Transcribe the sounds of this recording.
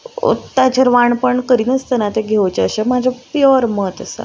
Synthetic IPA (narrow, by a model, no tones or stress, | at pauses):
t̪at͡ɕəɾʋaɳpəɳkəɾiːnəst̪ənat̪eɡʱeʋt͡ɕeəɕemad͡ʑʱapjɔɾməət̪əsa̰